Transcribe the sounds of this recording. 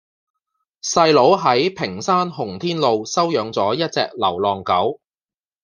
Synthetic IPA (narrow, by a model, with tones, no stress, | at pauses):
sɐ˧jlo˨˥wɦɐ˨˥jpʰɪ˨˩ŋsaː˥nɦʊ˨˩ŋt̪ʰiː˥nlo˨wsɐ˥wjœː˨˥ŋt͡sɔː˨˥jɐ˥t̚t͡sɛ̰ː˧k̚lɐ˨˩wlɔː˨ŋkɐ˨˥w